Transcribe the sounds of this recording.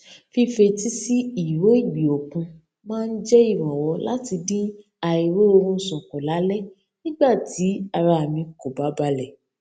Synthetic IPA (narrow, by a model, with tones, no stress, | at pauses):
fi˧fe˧ti˦si˦i˨wo˨˦i˦˨ɡ͡bi˨o˨kũ˧ | mãː˦˧n̩˦d͡ʒɛ˦i˦˨ɾ̃ɔ̃˨wɔ˧˦la̰˦ti˧dĩ˦ | a˧i˨ɾo˦o˧ɾũ˧˦sɔ̃˨kɔ˨la˨˦lɛ˦ | nĩ˦ɡ͡ba˦˨ti˨˦a˧ɾa˧a˨mĩ˧ko˨ba˨˦ba˧lɛ˨